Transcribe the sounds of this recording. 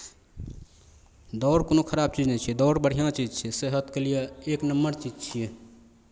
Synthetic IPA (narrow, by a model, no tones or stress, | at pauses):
d̪ɔʊɾkoːnokʰəɾab̚t͡ʃid͡ʒnɛt͡ʃʰid̪ɔɾbəɽ̤ijãt͡ʃid͡ʒt͡ʃʰiseɦət̪kəlijeeknəmːəɾt͡ʃid͡ʒt͡ʃʰije